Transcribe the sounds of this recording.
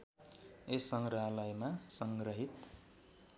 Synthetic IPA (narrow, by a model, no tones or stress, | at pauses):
esʌŋɡrʌɦalajmasʌŋɡrʌɦit̪